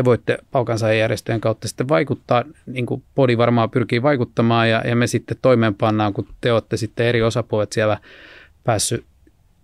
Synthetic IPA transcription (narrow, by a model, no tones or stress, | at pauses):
eʋoit̪ːepɑukɑnsɑjjjærjest̪øjeŋkɑut̪ːɑsi̥t̪ːeʋʋɑikut̪ːɑːniːŋkupoliʋɑrmɑːpyrkiːʋɑikut̪ːɑmɑːjjɑ̰jɑmesit̪ːet̪t̪oimeːmpɑnːɑːŋkut̪eot̪ːesit̪ːeeɾiosɑpuolet̪siælæ | pæːsːy